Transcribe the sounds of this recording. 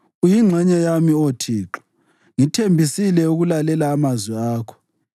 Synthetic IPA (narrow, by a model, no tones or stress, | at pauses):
ujiŋ͡ǁʱɛɲajamiotʰiːǁɔ̥ | ŋitʰembʱisilɛuɣulalɛlaːmazwiaːkʰɔ̥